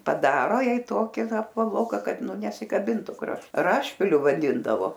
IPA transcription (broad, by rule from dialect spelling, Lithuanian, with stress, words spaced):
pɐˈdɑːroː ˈjɛɪ ˈtoːkʲɪ ˈʋɐ ɐpʋɐˈlˠoːkɐ ˈkɐt ˈnʊ nʲɛsʲɪkɐˈbʲɪntʊ krɐʃ ˈrɑːʃʲpʲɪlʲʊ ʋɐˈdʲɪndɐʋoː